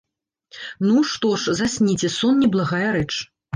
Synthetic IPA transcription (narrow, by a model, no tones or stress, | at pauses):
nuʂt̪ɔʂzasʲnʲit͡sʲɛsɔnːʲɛblˠaɣajɐɾɛt͡ʂ